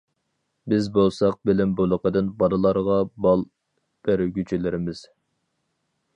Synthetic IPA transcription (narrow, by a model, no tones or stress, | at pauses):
bɪzbolˠsɑq̚bɪlɪmbolˠəqəd̪ɨnbɑd̪ɨlˠɑɾʁɑbɑlˠ | b̥æɾɡʲyt͡ʃʰelɪɾɪmɪz̥